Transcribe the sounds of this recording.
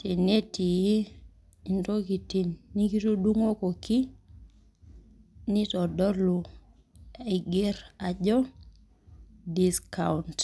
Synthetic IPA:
te˨ne˦ti˨ji˦ | i˨nto˦ki˨ti˨nːi˦ki˦to˦du˦ŋo˦ko˨ki˦ | ni˦tɔ˨dɔ˦lu˨ | i˨ɡe˦ɾa˨d͡ʒɔ˦ | di˦ska˨unt

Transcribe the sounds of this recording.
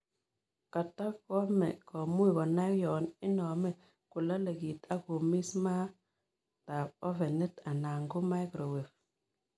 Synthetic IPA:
ka˨tːa˦kkɔ˦mɛ̰˨kɔ˨mu˦i˨kɔ˨na˦kjɔ˨nɪ˦nɔ˨mɛ˦ | ku˨la˦le˨ki˨ta˦ko˨mi˦sma˦ | ta˨ɔ˦fe˨ne˦ta˨na˨ŋɡo˦ma˦jkɾo˨we˨f

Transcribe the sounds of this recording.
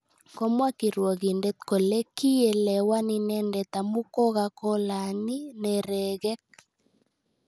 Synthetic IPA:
kɔ˦mwa˦ki˨ɾwɔ˨ɣi˨ndɛ˦t̪̚ko˨le˦ki˦e˨lɛ˨wa˦ni˨nɛ˦ndɛ˨t̪a˨mu˦kɔ˦ɣa˦kɔ˦la˨ni˦nɛ˨ɾɛ˨ɣɛ˦k̚

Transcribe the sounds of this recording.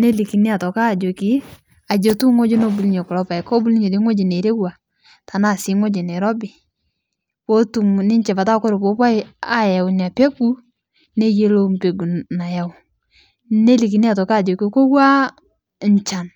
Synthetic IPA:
ne˦li˨ki˨nɪ˦a˨tɔ˨ka˦˨d͡ʒo˨kɪ˦ | a˨d͡ʒo˨tu˦ŋo˦d͡ʒi˦no˦bu˨lɲɔ˨kʊ˨lɔ˦pa˨jkɔ˦bu˦lɲe˨de˦ŋo˦d͡ʒe˨ne˨ɾe˦wa˨ | ta˨na˦˨sɪ˨˦ŋo˦d͡ʒe˨ne˨ɾɔ˦bɪ˨ | wo˦tu˨m˨nɪ˦ɲt͡ʃɛ˨pa˨ta˦kɔ˦ɾo˨po˨˦pa˦ɪ˦a˦ja˨wʊ˨ni˨a˨pe˦ɡu˦ | ne˦je˦lo˦mpe˨ɡu˨na˨ja˨w | ne˦li˨ki˨ni˦a˨tɔ˨ka˦˨d͡ʒo˨kɪ˨ko˦wa˦ | ɲ˨t͡ʃa˨n

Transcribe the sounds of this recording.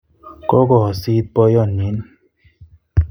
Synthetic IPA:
kɔ˦kɔ˨si˦t̚pɔ˦jɔ˦˨nːi˨˦n

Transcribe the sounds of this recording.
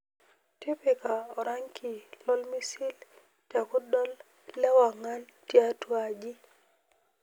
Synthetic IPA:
ti˦pi˨ka˨ɔ˨ɾa˦ŋkʰi˨lɔ˦lmi˦si˦l | tja˨kʊ˦dɔ˦lː | ɛ˦wa˨ŋa˦ntja˦twa˦d͡ʒi˦

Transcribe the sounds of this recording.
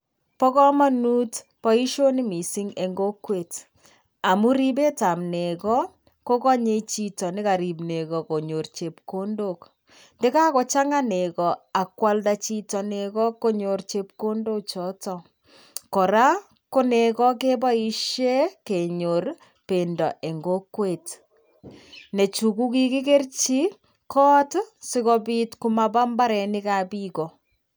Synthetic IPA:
pɔ˦kɔ˦ma˦nu˦t | pɔ˦i˦ʃo˦ni˦mi˨si˦ŋe˨ŋɡo˦kwe˨t | a˨mu˦ɾi˦b̬e˦ta˨mne˨kɔ˦ | ko˦kɔ˦ɲe˦t͡ʃi˨tɔ˨nɪ˦ka˨ɾi˨bne˨kɔ˨ko˨ɲo˨rt͡ʃe˨p̚ko˦ndo˦˨k | nde˦ka˦kɔ˨˦t͡ʃa˦ŋa˦ne˨kɔ˨a˨kwa˦ldat͡ʃi˦tɔ˨ne˨kɔ˦ko˦ɲo˨rt͡ʃep̚ko˦ndo˦k̚t͡ʃɔ˦tɔ | kɔ˨ɾa˦ | ko˦ne˨kɔ˦k̬e˦ba˦iʃe˦ke˨ɲor | pendɔ˨ʔe˨ŋɡo˦kwe˨t | ne˨t͡ʃuku˦ki˦ki˦ke˦rt͡ʃi˦ | kʰɔː˦tsi˦kɔpiːtkumaba˦mba˦ɾɛni˦kapikɔ˨

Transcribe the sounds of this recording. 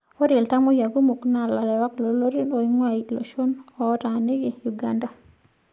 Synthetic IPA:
o˦ɾi˨lta˦mo˦ja˨ɡu˦mu˨kna˨la˨ɾɛ˨wa˦klo˨lo˦ɾi˦no˨i˦ŋwa˦˨i˨lo̰˨ʃo˦nɔ˨˦ta˨ne˦ɡi˨ju˨ɡa˦nda˨

